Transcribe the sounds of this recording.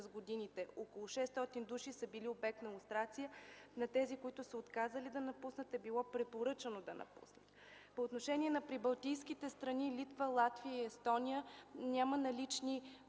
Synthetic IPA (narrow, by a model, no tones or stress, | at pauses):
zɡod̪init̪ɛokolˠʊʃɛst̪ɔt̪ind̪uʃisəbiliobɛk̚t̪nɐulˠst̪ɾat̪sijənɐt̪ɛzikoit̪ʊsəot̪kazəlid̪ɐnɐpusnət̪ɛbilˠɔpɾɛpoɾɤt͡ʃənod̪ɐnɐ̰pṵsnət̪ | poːt̪noʃɛnʲiɛnɐpɾibɐlˠt̪ijskit̪ɛst̪ɾɐnilit̪vəlˠat̪viəiɛst̪ɔnijənʲamənɐlit͡ʃni